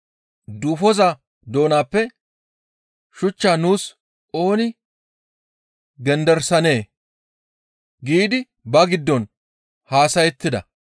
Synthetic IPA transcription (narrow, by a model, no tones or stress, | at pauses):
d̪uːfɔza | d̪o̞ːnaːpːɛ | ʃʊt͡ʃːaːnuːs | o̞ːnɪ | ɡɛnd̪ɛɾsɐne̞ː | ɡiːd̪ɪ | bɐɡɪd̪ːɔn | haːsɐjɛt̪ːɪd̪ɐ̰